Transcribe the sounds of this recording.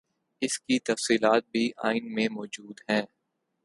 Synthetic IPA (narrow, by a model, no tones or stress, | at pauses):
ɪskit̪ɐfsiːlaːt̪̚bʱiʔaːɪnmẽmɔːd͡ʒuːd̪ɦɛ̃ː